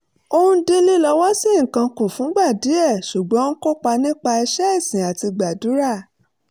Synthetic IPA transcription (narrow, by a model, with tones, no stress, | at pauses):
o˧ũ˧de˧˦li˦lɔ˧wɔ˦si˦ŋ̩˨kã˧ko˨fũ˨˦ɡ͡ba˦˨di˨˦ɛ˦˨ʃu˨ɡ͡bɔ̃˨˦n̩˦ko˦k͡pa˧nĩ˦k͡pa˧i˧ʃɛ˦i˦˨sĩ˨a˨ti˧ɡ͡ba˨du˨˦ɾa˦˨